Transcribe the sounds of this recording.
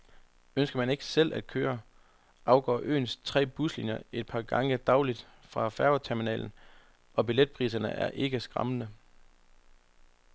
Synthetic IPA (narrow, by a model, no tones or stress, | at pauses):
ønsɡ̥ɐmæne̝ɡ̥ə̥sel̰ʔæd̥̚kʰøːɐ | ʔɑ̈ʊɡ̥ɒ̰ːʔø̰ːnst͡sʰʁɛ̰ːb̥uslinjɐe̝d̥̚pʰɑ̈ːɡ̥ɑ̈ŋəd̥ɑ̈ʊlid̥fʁɑ̈fæɐɐt͡sʰæɐminɛ̰ːln̩ | ɒ̽b̥iled̥̚pʰʁḭːsɐnəæɐʔe̝ɡ̥əsɡ̥ʁɑ̈mənə